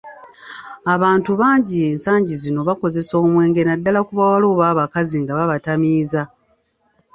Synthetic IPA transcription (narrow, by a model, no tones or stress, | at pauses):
aβaːntuβaːɲɟieːnsaːɲɟizino̞βako̞ze̞so̞ːmwe̞ːŋɡe̞nadːalakuβawalo̞ːβaːβakaziŋɡaβaβatamiːza